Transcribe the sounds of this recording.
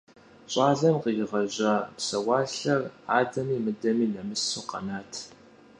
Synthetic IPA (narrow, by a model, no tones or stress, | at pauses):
ɕʼɑːɮɐmqijɪʁɐʑɐpsɐwɑːɬɐraːdɐmiːmɨdɐmiːnɐmɨsuːqɐ̰naːtʰ